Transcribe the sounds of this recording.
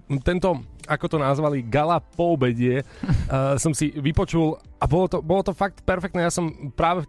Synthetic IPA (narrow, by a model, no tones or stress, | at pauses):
t̪ɛnt̪ɔakɔt̪ɔnazʋaliɡalapɔːbɛɟɪɛ | sɔmsiʋipɔt͡ʃulabɔlɔt̪ɔbɔlɔt̪ɔfak̚t̪pɛɾfɛk̚t̪nɛːjasɔmpɾaːʋɛ